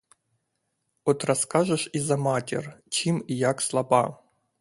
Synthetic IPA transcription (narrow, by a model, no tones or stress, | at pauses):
ɔt̪rɐskaʒɛʃizɐmatʲɪ̰rt͡ʃimijakslˠɐbɑ